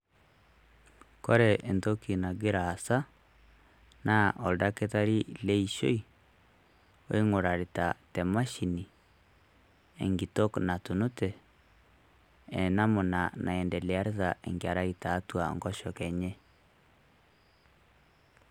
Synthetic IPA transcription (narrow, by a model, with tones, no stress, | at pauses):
kɔ˦ɾɛ˨ʔe˨nto˦ki˨na˨ɡe˦ɾaː˨sa˦ | na˦ʔɔ˨lda˦ke˦ta˦ɾi˦lɛ˦i˨ʃo˦i˦ | wo̰˦e˦ŋo˨ɾa˨ɾita˨tɛ˨ma˦ʃi˨ni˨ | ḛ˨ŋɡi˨to˦kna˨tu˨nu˦tɛ˨ | ɛ˨na˦mo˨na˨na˨ɛ˨ndɛ˨le˨a˦ɾe˦ða˨ʔḛ˨ŋɡe˨a˨ɾa˦i˨taː˨˦tu˦a˨ŋɡɔ˦ʃɔ˨kɛ˨ɲɛ˦